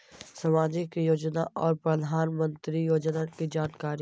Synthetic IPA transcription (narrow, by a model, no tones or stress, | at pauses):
sɐmaːd͡ʒɪkjoːd͡ʒna̰ʔɔːɾpɾəd̪ʱaːnmə̃nt̪ɾijoːd͡ʒnakid͡ʒaːnkaːɾ